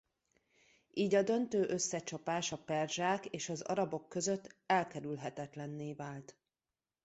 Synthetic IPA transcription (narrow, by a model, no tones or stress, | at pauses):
iːɟɒd̪ø̞nt̪øːʔø̞sːɛt͡ʃɒpaːʃɒpɛrʒaːkeːʃɒzɒ̰ɾɒbo̞kːø̞zøt̪ːɛlkɛɾylɦɛt̪ɛt̪lɛnːeːvaːlt̪